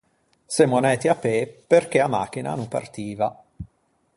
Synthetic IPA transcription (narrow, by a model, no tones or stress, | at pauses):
semonɛːt̪iapeperk̟eama̰k̟ːina̰nompa̰rt̪iːva